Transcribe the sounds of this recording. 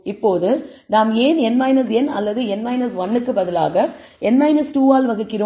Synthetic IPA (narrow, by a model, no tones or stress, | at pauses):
ɪpːoːðɯnaːmeːnɛnmɐɪnɐs̬ɛnɐ̰lːɐðɯɛnmɐɪnɐsʋɐnːɯkːɯbɐðɪla̰ːɣɐ | ɛnmɐɪnɐsʈuːaːlʋɐɣɐkːɪɾoː